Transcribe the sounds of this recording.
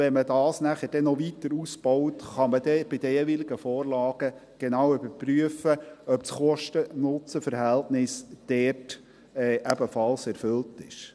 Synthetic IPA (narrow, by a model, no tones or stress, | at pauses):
ʋɛnmədɑːsnæχəɾd̥ɛnɔʋitəɾusb̥ɔwtχɑməd̥ɛb̥ɪd̥̪əeʋilɪɡəfɔːrlɑːɡ̥ə | ɡ̥enɑwʏbəpryəfəœpsχɔʃtənʊt͡səfəɾɦæltnɪsd̥ɛrt | ɛːʔæbəfɑlsɛɾfʏltɪʃ